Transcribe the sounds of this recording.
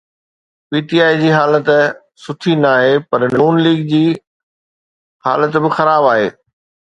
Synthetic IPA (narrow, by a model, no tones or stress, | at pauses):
piːʈiaːid͡ʑiːɦaːlət̪ | sʊʈʰinaːɦepɐɾɪnuːnliːɡd͡ʑiː | haːlət̪bɪxɐɾaːbaːɦḛː